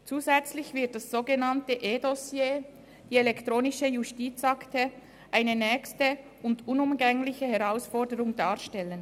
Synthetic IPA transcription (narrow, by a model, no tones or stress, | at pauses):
t͡suːzɛt͡slɪçv̥ɪɐt̚d̥asz̥oːɡenantəʔeːdɔsjeː | d̥iːelɛktʁoːnɪʃəjustiːt͡saktə | ʔaɪnənɛːçstə | ʊndʊnʊmɡɛŋlɪçəhɛʁaʊsfɔɐdəʁʊŋdaːʁʃtɛlən